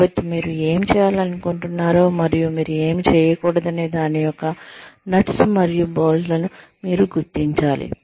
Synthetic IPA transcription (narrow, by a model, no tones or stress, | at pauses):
bɐt̪ːimiːɾue̞ːmit͡ʃɛːjaːlɐnukoɳʈunːaːɾoːmɐɾijumiːɾue̞ːmit͡ʃɛːjɐkuːɽɐd̪ɐne̞ːd̪aːnijɔkːɐnɐʈsumɐɾijuboːllɐnu | miːɾuɡuɾt̪iɲt͡ʃaːlḭ